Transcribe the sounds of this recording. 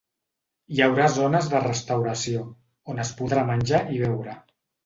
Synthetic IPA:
iawɾazonəzðərəst̪awɾəsio | onəspuðɾamənʲʒaʔiβ̞ɛwɾə

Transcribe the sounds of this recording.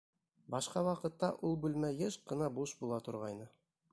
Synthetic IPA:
bɑʃqɑwɑqɤ̆t̪ːɑʔulˠbʉlmæjɘʃqɤ̆nɑbuʃbulˠɑt̪ŏɾʁɑjnɤ

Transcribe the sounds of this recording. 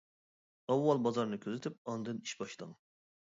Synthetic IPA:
ɑwːɑlˠbɑzɑɾnɨkʲʰøzɪt̪ʰyp̚ɑnd̪ɨniʃbɑʃlˠɑ̰ŋ

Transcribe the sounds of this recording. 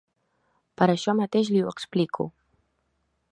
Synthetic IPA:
paɾaʃɔmat̪eʃ̬lɪweksplikʰʊ̰

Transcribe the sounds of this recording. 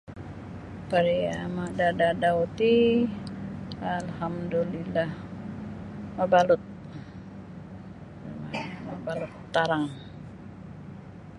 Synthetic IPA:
paɾiamadadadaut̪i | alhamdulilah | mabalʊt̪̚ | ma̰mabalʊt̪ːaɾaŋ

